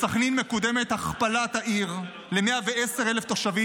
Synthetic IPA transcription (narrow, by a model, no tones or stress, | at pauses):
saχninmekod̪eme̞t̪haχpalat̪haʔiʁ | lemeaveeseʁeleft̪oʃavi